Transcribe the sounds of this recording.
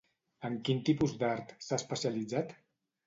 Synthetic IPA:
əŋkint̪ipuzd̪aɾt̪saəspəsiəlid͡zat̪

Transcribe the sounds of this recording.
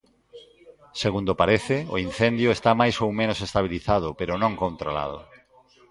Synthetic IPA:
seɣund̪opaɾeθɪoin̟θɛnd̪jʊest̪amajsowmẽnosest̪aβ̞iliθað̞ʊpeɾʊnõŋkõnt̪ɾola̰ð̞ʊ̰

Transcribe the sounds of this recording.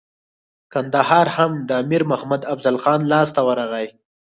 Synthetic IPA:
kand̪ahɑːɾhamd̪əːmiɾmʊhmad̪afzalxɑːnlɑst̪awəɾaɣaj

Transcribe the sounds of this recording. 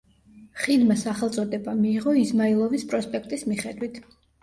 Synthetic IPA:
χilmasaχɛlˠt̪sʼɔd̪ɛbamiːʁɔizmailˠɔvispʼɾɔspʼɛk̚ʰt̪ʼismiχɛd̪wit̪ʰ

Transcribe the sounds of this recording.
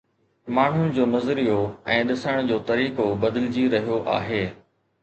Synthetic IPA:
maːɳ̤ʊnɪ̆d͡ʑoːmɐzɾijoɛ̃ːɗɪsəɽ̃d͡ʑoːt̪ɐɾiːkobɐd̪ɪlɪd͡ʑiɾɐɦijoʔa̰ːɦeː

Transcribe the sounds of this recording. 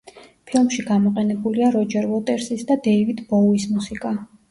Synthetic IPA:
pʰilˠmʃiɡamɔqʼɛnɛbuliaɾɔd͡ʒɛɾvɔt̪ʼɛɾsisd̪ad̪ɛivid̪ʰbɔlismusikʼa

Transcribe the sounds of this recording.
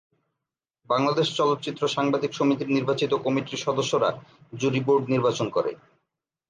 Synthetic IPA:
baŋlad̪eʃt͡ɕɔlot̪̚ːt͡ɕit̪ːɾoʃaŋbad̪ikʃomit̪iɾniɾbat͡ɕit̪okɔmiʈiʃɔd̪oʃːoɾa̰d͡ʑuɾiboɾɖniɾbat͡ɕonkɔɾḛ

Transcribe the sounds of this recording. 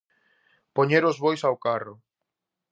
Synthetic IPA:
poɲeɾʊzβojsawkarʊ

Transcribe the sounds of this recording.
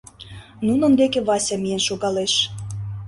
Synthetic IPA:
nunə̆nd̪ekeβɑsʲɑmijenʃoɣɑleʃ

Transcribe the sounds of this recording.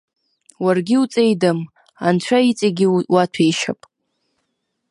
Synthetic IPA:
warɡʲɪut͡sʼe̞jdam | ant͡ʃʷʰait͡sʼaɡʲiwatʷʰejʃa̰pʼ

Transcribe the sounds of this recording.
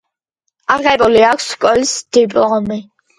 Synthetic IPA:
aʁɛbʼuliakʰskʼɔlsd̪̥ipʼɔmi

